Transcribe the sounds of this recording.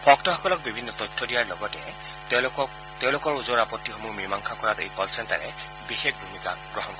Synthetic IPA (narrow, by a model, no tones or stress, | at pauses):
pʰɔktɔxɔkɔlɔk̚bibʱinːɔtɔjtʰːɔdijaɹlɔɡɔtɛ̰ | teʊ̃lʊkɔɹuzɔɹapɔtːixɔmumimaŋkʰakɔɹatḛjkɔlsʰɛnta̰ɹɛ̰ | bixek̚bʱumika̰b̥ɹɔɦɔnkɔ